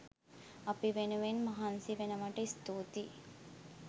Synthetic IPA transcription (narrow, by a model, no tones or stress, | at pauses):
ɐpiʋenuʋenmɐɦansiʋenɐʋɐʈɐist̪uːt̪i